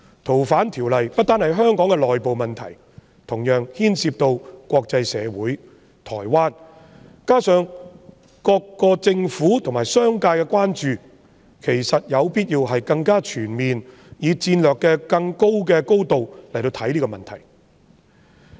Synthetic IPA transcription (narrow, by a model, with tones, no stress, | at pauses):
t̪ʰo˨˩wfaː˨˥nt̪ʰiː˨˩wlɐ˨jpɐ˥t̚t̪aː˥nhɐ˨jɦœː˥ŋkɔː˨˥ŋkɛ˧lɔː˨jpo˨wmɐ˨nt̪ʰɐ̰˨˩j | t̪ʰʊ˨˩ŋjœː˨˧ŋhiː˥nsiː˧p̚t̪o˧wkʷɔː˧k̚t͡sɐ˧jsɛ̰ː˨˧wuː˨˥j | t̪ʰɔː˨˩jwaː˥n | kaː˥sœː˨˧ŋ | kɔː˧kːɔː˧t͡sɪ˧ŋfuː˨˥t̪ʰʊ˨˩ŋmaː˨˩jsœː˥ŋkaː˧jkɛː˧kwaː˥nt͡ʃyː˨ | kʰe˨˩jsɐ˨t̚jɐ˨˧wpiː˥t̚jiː˧wɦɐ˨jkɐ˧ŋkaː˥t͡ʃʰyː˨˩nmiː˨n | jiː˨˧t͡siː˧nlœː˨kːɛː˧kɐ˧ŋko˥wk̬ɛː˧ko˥wt̪o˨wlɐ˨˩jt̪o˧wt̪ʰɐ˨˥jliː˥kɔ˧mɐ˨nt̪ʰɐ˨˩j